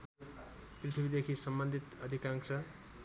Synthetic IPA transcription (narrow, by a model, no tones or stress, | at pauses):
prit̪ʰibid̪ekʰisʌmbʌnd̪ʱit̪ʌd̪ʱikaŋsʌ